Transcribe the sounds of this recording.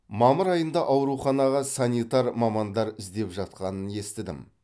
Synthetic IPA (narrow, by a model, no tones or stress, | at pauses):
mɑməɾɑjənd̪ɑʔɑwɾuχɑnɑʁɑsɑnit̪ɑɾmɑmɑnd̪ɑɾɪzd̪e̞pʒɑt̪̚qɑnəne̞st̪ɪd̪ɪ̰m